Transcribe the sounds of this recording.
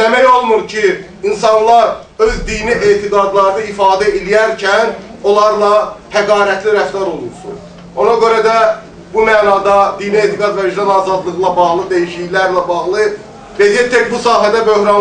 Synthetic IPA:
emæjo̞lˠmuɾcʰi | insɑnlˠɑɾ | ø̞zd̪iːniʔeːt̪ʰiɡ̪ɑd̪lˠɑɾɯnɯifɑːd̪æelijæɾcʰæn | o̞lˠɑɾlˠɑp̪ʰæɡɑːɾæt̪ʰliɾæft̪ɑɾo̞lˠuɾsṵn | o̞nɑɡø̞ɾæd̪æ | bumæːnɑːd̪ɑd̪iːnieːt̪ʰiɡɑd̪væiʒd̪ɑnɑːzɑd̪lˠɯɣɯlˠɑbɑʁlˠɯd̪ejiʃijlæɾlæbɑʁlˠɯ | vezijet̪ʰːecbusɑːɦæd̪æbø̞hɾɑn

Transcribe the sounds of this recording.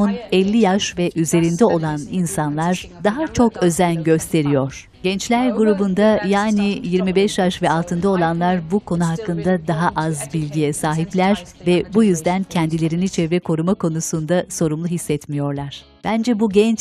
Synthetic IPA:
unɛlʲːijaʃvɛʔyze̞ɾind̪ɛo̞lˠaninsanlˠaɾd̪aɦat͡ʃʰo̞kø̞zænɟø̞st̪ʰe̞ɾijo̞ɾ̥ | ɟ̥ɛnt͡ʃlʲæɾɡuɾubund̪ajaːnijiɾmibɛʃjaʃvɛalˠt̪ʰɯnd̪ao̞lˠanlˠaɾbukʰo̞nuɦakːɯnd̪ad̪aɦaʔazbilʲɟijɛsaːɦiplʲæɾ̥vɛbujyzd̪æncʰɛnd̪ilʲe̞ɾinit͡ʃʰɛvɛkʰo̞ɾumakʰo̞nusund̪aso̞ɾumlˠuɦisːɛt̪mijo̞ɾlˠaɾ̥ | b̥ænd͡ʒɛbuɟɛnt͡ʃ

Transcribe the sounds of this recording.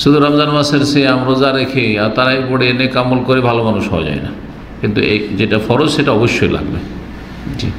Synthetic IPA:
ʃud̪ʱuɾamzanmaseɾseamɾod͡ʑaɾekʰeaɾt̪aɾaipoɽeenekamolkoɾebʱalomanuʃɦɔa̰d͡ʑa̰ena̰ | kint̪ued͡ʑeʈafɔɾod͡ʑʃeʈaɔboʃːojla̰ɡbḛ | d͡ʑḭ

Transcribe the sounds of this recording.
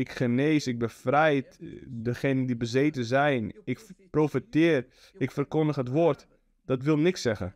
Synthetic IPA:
ɪkχəneːsɪk̚bəfrɛjtdəxenəndibəzeːtəzɛjnɪkprofətɪːr | ɪkfərkʊndəxətʋort | d̥ɔtʋɪlˠnɪksɛɣə̰

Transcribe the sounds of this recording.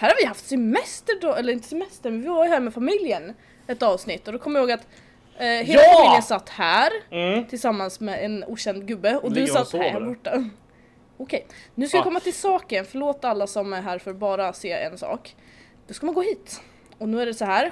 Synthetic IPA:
hæːɾhaɾvɪjɦaft̪sɛmmɛst̪əɖɔɛlːəɾɪnt̪ə̥sɛmɛst̪əɾmɛnvɪvaɾjɵhæːɾmɛfamɪljən | ɛt̪ɑːvsnɪt̪ːɔd̪ɔkʰɔmːjɪhoːɡat̪ | ɦeːlaafamɪljənsat̪ːhæːɾt̪ʰɪlsamːansmɛɛnuːɕɛnd̪ɡɵbːəɔd̪ɵsat̪ːbɔʈːa | ɔkʰɛjnʉ̟ːskajakʰɔmːat̪ʰɪlsɑːkənfœɭoːt̪alːasɔmæɾɦæːɾfœɾbɑːɾaseːɛ̰nsɑ̰ːk | d̪̥ɔskamanɡoːɦiːt̪ | ɔnʉ̟ːæɖɛsɔhæːɾ

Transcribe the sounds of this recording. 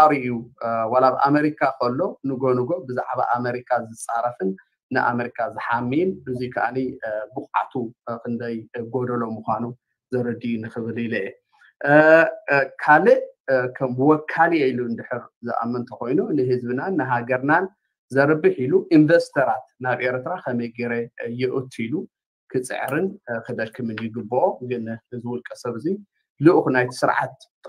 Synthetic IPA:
aɾiʔjuwalaβʔa̰meɾikʰakʰɐlːo̞nɨɡo̞nɨɡo̞bɨza̰ʕβa̰ʔameɾikʰazɨt͡sʼaɾɐfɨnː | ɨʔa̰meɾikʰazɨħamːinbɨzikʰaʔa̰nibɨχʼa̰t̪ʰukɨnd̪ɐjɡo̞d̪ɐlo̞muxʷanu | zɐɾɨd̪ijunɨxɨβɨlilʔɛ | kʰalɨʔkʰɐmwɔkʰːaliajlund̪ɨħɨɾzɨ̰ʔa̰mːɐnt̪ʰɐko̞jnunɨɦɨzbɨnanːɨɦaɡɐɾnan | zɐɾbɨħiluʔind̪ɐst̪ʰɐɾat̪naβʔe̞ɾt̪ʰɾakʰɐmɐjɡeɾejɛʔɨt̪ʰilu | kʰɨt͡sʼɨ̰ʕɾɨnkʰɨd̪ɐʃkʰɨmɨnjɪɡɨbːooɡɨnzɨwʊlkʼɐsɐβɨzi | lɨʔxnajt̪ʰi̥sɨɾʕa̰t̪̚

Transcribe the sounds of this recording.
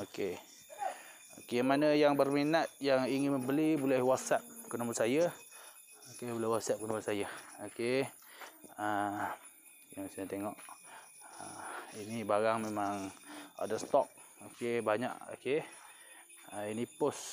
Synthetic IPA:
oke | okemanəjaŋbərminat̪̚jaŋiŋɪnməmbəlibulɛhwat̪sap̚kənəməsaja | okebulɛhwat̪sap̚kənəməsajaoke | ə | jaŋsajat̪eŋɔʔ | əinibaɾaŋmemaŋa̰dast̪ɔk̚okebaɲa̰ʔo̰ke | əinipʊs

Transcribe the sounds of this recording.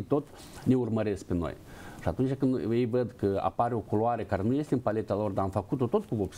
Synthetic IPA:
t̪o̞t̪ | ne̞urməɾe̞sk̚peno̞̰j | iat̪unt͡ʃʲakɨnjejvəd̪kəa̰paɾeo̞koloaɾəkaɾe̞nuje̞st̪eɨnpale̞t̪alo̞rd̪aːmfəkut̪o̞t̪o̞t̪kuvobs

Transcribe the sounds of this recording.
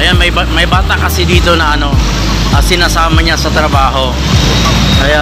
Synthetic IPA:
ɐjanmɐjbamɐjbaːt̪akɐsɛd̪iːt̪o̞nɐʔɐno̞ | ʔɐsɪnasaːmɐɲasɐt̪ɾɐbaːɦo̞ | kɐja

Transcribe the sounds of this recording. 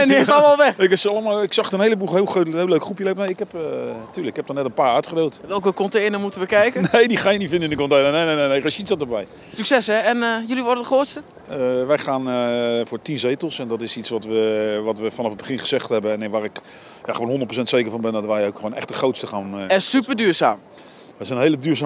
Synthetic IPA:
ɛdɪsɔlˠəmalˠʋɛɪkɪsɑlˠəmalˠɪksɑχtənejləbulˠɦeɪːlˠxoɦeːləɥkχrupjəlepnejɪkhɛpətyːləkɪkhɛp̚danɛtənpaːœɥtχədeːlˠtʋɛlˠkəkɔnteːnəmutəʋəkɛjkənejdiχaːjənitfɪndɪndəkɔntejnənejnejnenejkɔʃitsɑtəbɛj | syksɛsɛɛnjʏliʋɔɹdədəχroːtstə | əʋɛjχaːnəfʊːɹtinzejtəlˠsɛndɔtɪsitsʋɔtʋəʋɑtʋəfɔnɑfəd̚bəχɪnχəzɛχtɦɛbəɛnɪnʋaːrɪk | jaχəʋonɦondət̚prosɛntsejkərvɑnbɛndɔtʋɛjowkχoːnʔɛ̰χtdəχrowtstəχaːnɛsypədyːɹza̰ːm | ʋɛsɛnɦejlədyːɹzaː

